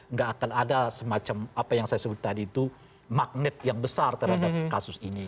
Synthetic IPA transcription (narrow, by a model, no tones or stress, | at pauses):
ŋɡaːkanadasəmat͡ʃamapajaŋsajasəbʊt̪ːadiːt̪u | mak̚nɪt̪̚jaŋbəsart̪əɾhadakasʊsini